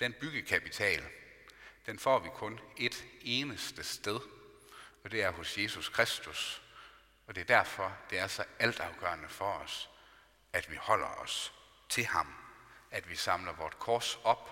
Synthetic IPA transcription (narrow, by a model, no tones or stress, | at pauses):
d̥enb̥yɡ̥əkʰæpʰit͡sʰɛ̰ːl | d̥enfɒ̰ːʋikʰɔ̽ne̝d̥e̝ːnəsd̥əsd̥eð̞ˠ | ɒ̽d̥e̝æɐɦo̽sje̝suskʰʁesd̥us | ɒ̽d̥e̝ɐd̥æɐfɒ̽d̥e̝æɐsɒ̽æl̰d̥ɑ̈ʊɡ̥ɶ̰ːɐnəfɒ̽ɒ̽s | æd̥ʋihɒ̽l̰ɐɒ̽s | t͡sʰe̝hɑ̈mæd̥ʋisɑ̈mlɐʋɒːd̥kʰɒːsɒ̽b̥